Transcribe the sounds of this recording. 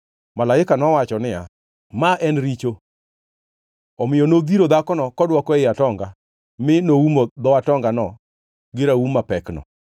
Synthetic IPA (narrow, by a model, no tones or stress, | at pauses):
malaɪkanɔwat͡ʃɔnɪja̰ | maʔɛnɾit͡ʃo | ɔmɪjɔnod̪iɾod̪akɔnɔkɔdwɔkɔɛɪatɔŋɡa | mɪnoumod̪ɔatɔŋɡanɔ | ɡɪɾaumapɛknɔ̰